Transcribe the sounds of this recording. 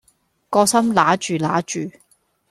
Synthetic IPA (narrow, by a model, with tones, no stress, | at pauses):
kɔː˧sɐ˥mlaː˨˥t͡ʃyː˨laː˨˥t͡ʃyː˨